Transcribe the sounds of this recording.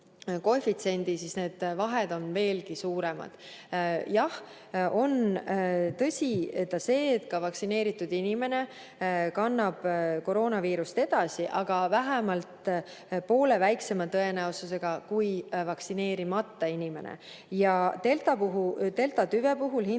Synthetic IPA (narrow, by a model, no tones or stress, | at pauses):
ko̞fit̪se̞nʲd̪̥isisne̞ːd̪̥vɑɦed̪̥o̞nve̞ːlɡisuːɾe̞mɑ̰d̪̥jɑh | o̞n | t̪ɤsʲit̪ːɑse̞ːt̪kɑvɑksine̞ːɾit̪ːˑud̪̥inime̞ne̞ | kɑnːɑb̥ko̞ɾo̞ːnɑviːɾust̪e̞d̪̥ɑsiʔɑɡ̥ɑvæɦæmɑlt̪ | po̞ːle̞væjkse̞mɑt̪ɤe̞næosus̬e̞ɡ̥ɑkujvɑksine̞ːɾimɑt̪ːɑinʲime̞̰nḛ | jɑt̪elt̪ɑpuɦut̪e̞lt̪ɑt̪yve̞puɦulhi